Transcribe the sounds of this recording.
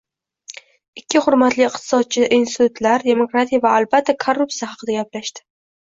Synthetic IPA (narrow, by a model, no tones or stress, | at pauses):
ɪkʲːɪhʊɾmat̪lɪɪqt̪ʰɪ̥sɒd̪̚t͡ʃʰɪʔinst̪ɪt̪ʰʊt̪laɾd̪e̞mo̞kɾat̪ʰijavaːlbat̪ʰːakʰorːup̚tsijahɑqʰɨd̪aɡʲaplaʃt̪ɪ̥